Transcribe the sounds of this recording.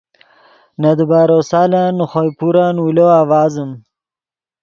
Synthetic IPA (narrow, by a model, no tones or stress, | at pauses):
nad̪əbaːɾoːsaːlanuχojpuɾanwuloawɑːzəm